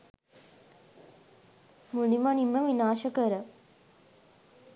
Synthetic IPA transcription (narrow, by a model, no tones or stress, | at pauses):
munimaniməʋinaːʃəkəɾə